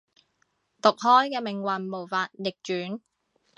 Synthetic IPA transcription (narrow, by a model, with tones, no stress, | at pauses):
t̪ʊ˨k̚ɦɔː˥jkɛː˧mɪ˨˩ŋwɐ˨nmo˨˩wfaː˧t̚jɪ˨k̚t͡ʃyː˨˥n